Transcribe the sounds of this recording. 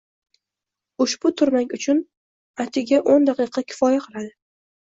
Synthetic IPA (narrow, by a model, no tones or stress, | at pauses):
ʊʃb̥ʊt̪ʰʊɾmaŋʲʊt͡ʃʰʊn | at̪ʰɪɡʲaʔond̪aqʰɨqʰɑkʲʰɪ̥fɒjaqʰɨlˠad̪ɪ